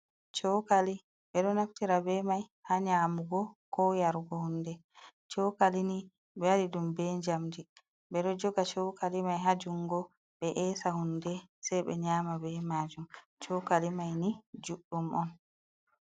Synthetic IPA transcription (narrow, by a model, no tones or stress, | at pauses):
t͡ʃɔkali | ɓɛɗɔnaftiɾabɛmajhaɲaːmuɡɔkɔjaɾɡɔhundɛ | t͡ʃɔkalini | bɛwaɾidumbɛɲd͡ʒamdi | bɛɗɔd͡ʒɔɡat͡ʃɔkalimajɦad͡ʒuŋɡɔ | ɓɛʔɛːsahundɛsɛjɓɛ̰ɲaːmabɛmaːd͡ʒum | t͡ʃɔkalimajnid͡ʒuɗːumʔɔn